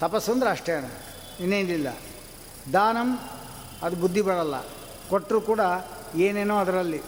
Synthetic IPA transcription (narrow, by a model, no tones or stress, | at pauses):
t̪ɐpɐsːond̪uɾaːʂʈɾɐjɐɳɐ̰ | inːeːnd̪ilːɐ̰ | d̪aːnɐm | ɐd̪ubud̪ʱːibɐɽɐlːɐ̰ | koʈːɾukuːɽɐ | eːneːnoːɐd̪ɐɾɐlːi